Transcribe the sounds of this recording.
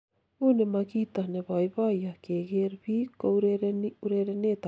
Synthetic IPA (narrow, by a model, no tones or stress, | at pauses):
unemakit̪aneβajβajakeɡeɾβikowɾɾnuɾeɾenet̪a